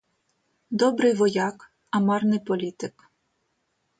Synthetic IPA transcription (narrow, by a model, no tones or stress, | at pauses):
d̪ɔbɾɪjʋɔjɑk | ɐmɑrnɪjpɔlʲit̪ɪk